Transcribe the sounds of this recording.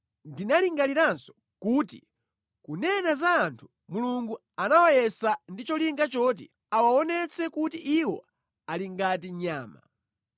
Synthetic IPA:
ndinaliŋɡaliɾansɔ̥ | kuːtḭ | kunɛnazaːntʰu̥ | muluŋɡu | anawajɛsandit͡ʃɔliŋɡat͡ʃɔt̬ḭ | awaɔnɛt͡sʰɛkutiʔiwɔ̰ | aliŋɡatiɲaːma̰

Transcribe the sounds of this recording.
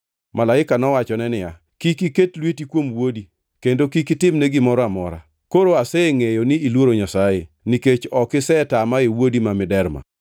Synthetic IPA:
malaɪkanɔwat͡ʃɔnɛnɪja | kikiketlwetikwomwodi | kendokikɪtɪmnɛɡɪmɔɾɔamɔɾa̰ | koɾoasɛeŋejonɪilwoɾoɲasaje | niket͡ʃɔkɪsɛtamaewodimamɪdɛɾma̰

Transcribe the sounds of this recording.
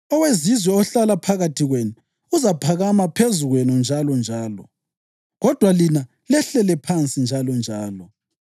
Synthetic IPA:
ɔwezizwɛɔɬalapʰaɣatʰiɣwenu | uzapʰaɣamapʰezuɣwɛnɔnd͡ʒʱalɔnd͡ʒʱaːlɔ̰ | ɣɔd̥ʱwalina | lɛɬɛlɛpʰant͡sʼind͡ʒʱalɔnd͡ʒʱaːlɔ

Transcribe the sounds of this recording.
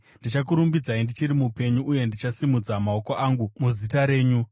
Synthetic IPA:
nndit͡ʃak̬uɾumbid͡zaindit͡ʃiɾimupe̞ɲuʔːje̞ndit͡ʃasimud͡zamao̞ko̞ʔaŋɡumuzitaɾe̞ːɲu

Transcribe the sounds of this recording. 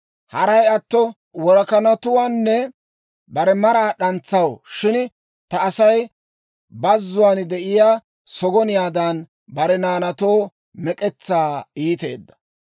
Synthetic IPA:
hɐɾɐjɐt̪ːɔ | wɔɾkɐnɐt̪ʊwaːnːɛ | bɐɾɛmɐɾaːɗɐnt͡sːɐwʃɪn | t̪ɐːsɐj | bɐzːʊwaːnd̪ɛʔɪjaː | sɔɡɔnɪjaːd̪ɐn | bɐɾɛnaːnɐt̪oː | mɛkʼɛt͡sːaːiːt̪e̞̰ːd̪ːɐ̥

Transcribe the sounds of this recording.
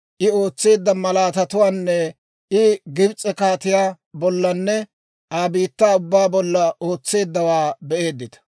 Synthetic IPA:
ʔɪo̞ːt͡sːe̞ːd̪ːɐmɐlaːt̪ɐt̪ʊwaːnːɛ | ʔɪɡɪbt͡sʼːɛkaːt̪ɪjaː | bɔlːɐnːɛ | ʔaːbiːt̪ːaːʊbːaːbɔlːɐoːt͡sːe̞ːd̪ːɐwaːbɛʔe̞ːd̪ːɪt̪ɐ̥

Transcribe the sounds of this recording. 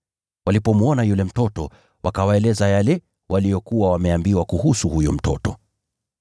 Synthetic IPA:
walipɔmuɔnajulɛm̩tɔtɔ | wʔakawaɛlɛzajalɛ | wʔalijɔkuwawamɛambiwakuhusuhujum̩tɔtɔ

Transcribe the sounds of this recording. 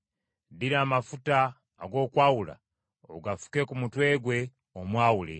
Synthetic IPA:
diɾamafutaː | ɡo̞ːkwaːwula̰ | o̰ɡafu̥ke̞kumutwe̞ːɡwe̞ | omwaːwule̞̰

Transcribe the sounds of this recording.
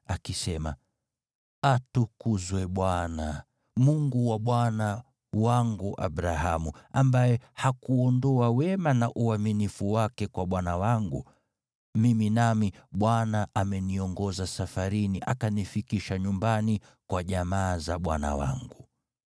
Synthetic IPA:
akisɛma̰ | atukuzwɛɓwana | muŋɡuwaɓwana | waŋɡuʔa̰ɓɾahamuambajɛhakuɔndɔawɛmanaʔuaminifuwakɛkwaɓwanawaŋɡṵ | miminamiɓwanaʔamɛniɔŋɡɔzasafaɾiniʔa̰kanifikiʃaɲumbani | kwaʄamaːzaɓwa̰na̰wa̰ŋɡu

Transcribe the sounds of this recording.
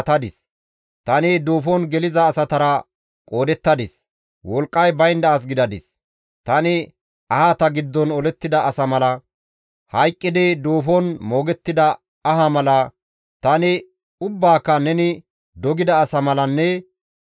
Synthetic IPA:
t̪ɐd̪ɪs | t̪ɐnɪd̪o̞ːfɔnɡɛlɪzɐːsɐt̪ɐɾɐ | kʼo̞ːd̪ɛt̪ːɐd̪ɪs | wɔlkʼːɐjbɐjnd̪ɐːs̬ɡɪd̪ɐd̪ɪs | t̪ɐnɪ | ɐhat̪ɐɡɪd̪ːɔnɔlɛt̪ːɪd̪ɐːsɐmɐlɐ | hɐjkʼːɪd̪ɪd̪o̞ːfɔnmo̞ːɡɛt̪ːɪd̪ɐ | ɐɦɐmɐlɐ | t̪ɐnɪ | ʊbːaːkːɐnɛnɪ | d̪ɔɡɪd̪ɐːsɐmɐlɐnːɛ

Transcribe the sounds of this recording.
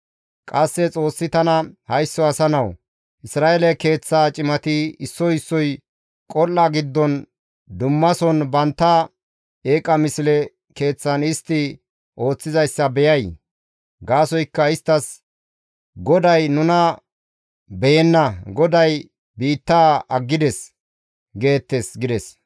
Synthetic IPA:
kʼɐsːɛt͡sʼo̞ːsːɪt̪ɐnɐhɐjsːɔɐsɐnɐw | ʔɪsɾaːʔelɛke̞ːt͡sːaːt͡ʃʼɪmɐt̪iɪsːɔɪsːɔj | kʼɔlːaɡɪd̪ːɔn | d̪ʊmːɐsɔnbɐnt̪ːɐ | eːkʼɐmɪsɪlɛ | ke̞ːt͡sːɐnɪst̪ːɪ | ʔo̞ːt͡sːɪzɐjsːɐbɛjɐj | ɡaːsɔjkːɐɪst̪ːɐs | ɡɔd̪ɐjnʊnɐ | bɛjɛnːɐɡɔd̪ɐj | biːt̪ːaːɐɡːɪd̪ɛs | ɡe̞ːt̪ːesɡɪd̪ɛs

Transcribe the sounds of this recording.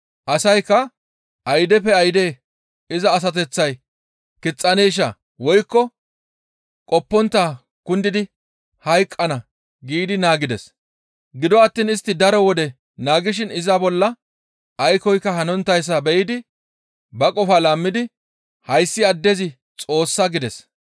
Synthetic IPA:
ʔɐsɐjkːɐ | ʔɐjd̪ɛpːɛɐjd̪eː | ɪzɐːs̬ɐt̪ɛt͡sːɐj | kɪt͡sʼːɐneːʃ̬ɐ | wɔjkːɔ | kʼɔpːɔnt̪ːaː | kʊnd̪ɪd̪ɪ | hɐjkʼːɐnɐ | ɡiːd̪ɪnaːɡɪd̪ɛs | ɡɪd̪ɔɐt̪ːiːnɪst̪ːɪd̪ɐɾɔwɔd̪ɛ | naːɡɪʃ̬ɪnɪzɐbɔlːɐ | ʔɐjkɔjkːɐhɐnɔnt̪ːɐjs̬ːɐbɛʔɪd̪ɪ | bɐkʼɔfalaːmːɪd̪ɪ | hɐjsːɪɐd̪ːɛzɪ | t͡sʼo̞ːsːɐɡɪd̪ɛs

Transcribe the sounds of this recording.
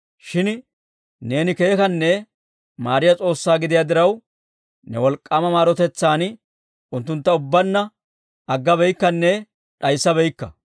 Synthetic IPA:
ʃɪn | ne̞ːnɪke̞ːkɐnːɛ | maːɾɪjɐt͡sʼo̞ːsːaːɡɪd̪ɪjaːd̪ɪɾɐw | nɛ̰wɔlkʼːɐːmɐmaːɾɔt̪ɛt͡sːaːn | ʊnt̪ːʊnt̪ːɐʊbːɐnːɐ | ɐɡːɐbɛjkːɐnːɛ | ɗɐjsːɐbɛjkːɐ

